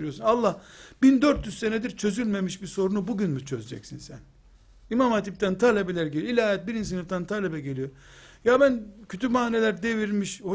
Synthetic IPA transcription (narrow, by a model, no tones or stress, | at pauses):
ɾijosunalˠːahbind̪øɾt̪jyzse̞ned̪iɾt͡ʃʰø̞zylʲme̞miʃbiso̞ɾunubuɟynmut͡ʃʰøzed͡ʒɛ̰csinsæn | imamat̪ʰip̚t̪ʰænt̪ʰaːlʲebelʲæɾɟelʲilʲaːjɛt̪̚biɾins̬inɯft̪ʰænt̪ʰaːlʲebɛɟe̞lijo | jabæncʰyt̪ʰymaːnelʲæɾd̪e̞viɾmiʃho